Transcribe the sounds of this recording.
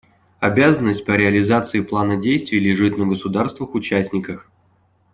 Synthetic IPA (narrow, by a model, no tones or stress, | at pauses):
ɐbʲazənːəsʲt̚ʲpəɾʲɪɐlʲɪzat̪sɨɪplˠanədʲejst̪vʲɪjlʲɪʐɨt̪nəɡəsʊd̪arst̪vɨxʊt͡ɕæsʲnʲɪkəx